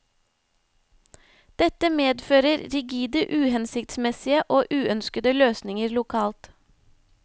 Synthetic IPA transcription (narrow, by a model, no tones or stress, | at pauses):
d̪̥ɛt̪əmeːd̪føːɾəɾɾɪɡiːd̪əʔʉːhɛnsɪkt̪smɛsɪəʔoːʔʉːœnskəd̪əløːsnɪŋəɾlʊkʰɑːlt̪